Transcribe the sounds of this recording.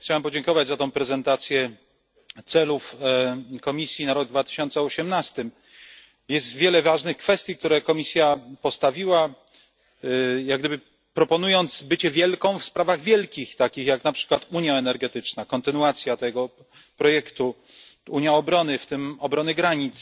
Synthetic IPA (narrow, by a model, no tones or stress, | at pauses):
t͡ɕawɛmpɔd͡ʑɛŋkɔvad͡ʑʲzat̪ɔ̃w̃pɾɛzɛnt̪at̪sʲjɛ | t̪sɛluf | kɔmʲisʲjinaɾɔɡ̚d̪vat̪ɘ̥ɕɔnt̪sɛɔɕɛmnast̪ɘm | jɛst̪vʲjɛlɛvaʐnɘxkfɛst̪ʲjik̚t̪uɾɛkɔmʲisʲjapɔst̪avʲiwa | jaɡ̚d̪ɘbɘ | pɾɔpɔnujɔnt̪sbɘt͡ɕɛvʲjɛlkɔ̃w̃fspɾavaɣvʲjɛlkʲixt̪akʲixjaknapʂɘ̥kwat̪uɲjaɛnɛɾɡɛt̪ɘt͡ʂnakɔnt̪ɘnuat̪sʲjat̪ɛɡɔ | pɾɔjɛkt̪u | uɲjaɔbɾɔnɘft̪ɘmɔbɾɔnɘɡɾaɲit̪s